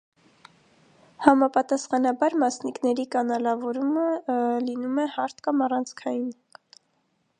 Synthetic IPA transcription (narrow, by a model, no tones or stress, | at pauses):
hɑmɑpɑt̪ɑsχɑnɑbɑɾmɑsniknɛɾikɑnɑlɑvɔɾuməlinumɛhɑɾt̪ʰkɑmɑrɑnt͡sʰkʰɑjun